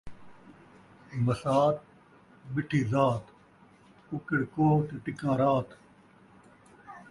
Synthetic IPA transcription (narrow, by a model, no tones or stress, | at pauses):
mɐsaːt̪̚ | bɪʈʰiːzaːt̪ | ʊkɪɽkoːt̪eːʈɪkãːɾaːt̪